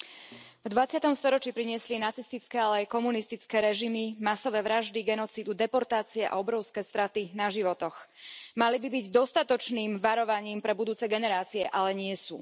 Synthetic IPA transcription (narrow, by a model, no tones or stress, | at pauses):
vd̪ʋat͡sɪat̪ɔmst̪ɔɾɔt͡ʃipɾiɲɪɛslinat͡sist̪it͡skɛːalɛajkɔmunist̪it͡skɛːɾɛʒimimasɔʋɛːʋɾaʒd̪iɡɛnɔt͡siːd̪ud̪ɛpɔɾt̪aːt͡siɛʔa̰ɔbɾɔʊskɛːst̪ɾat̪inaʒiʋɔt̪ɔxmalibibiɟd̪ɔst̪at̪ɔt͡ʃniːmʋaɾɔʋaɲiːmpɾɛbud̪uːt͡sɛɡɛnɛɾaːt͡siɛʔalɛɲɪɛsṵː